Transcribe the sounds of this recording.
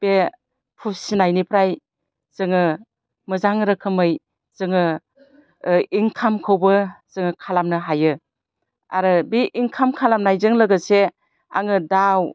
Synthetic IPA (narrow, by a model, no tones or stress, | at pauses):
b̥e | pʰusinajnipʰɾaj | z̥ɯŋɯ | mɯzaŋɾɯkʰɯmɯj | z̥ɯŋɯ | iŋkʰamkʰɯwbɯz̥ɯŋɯkʰalamnɯɦajɯ | a̰ɾɯbiʔiŋkʰamkʰalamnajzɯŋlɯɡɯse | a̰ŋɯdaw